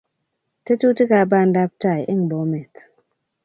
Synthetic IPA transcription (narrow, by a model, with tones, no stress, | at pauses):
te˦tu˦ti˦ka˨ba˦nda˦p̚ta˦˨jʔe˦ŋbo˨˦me˨t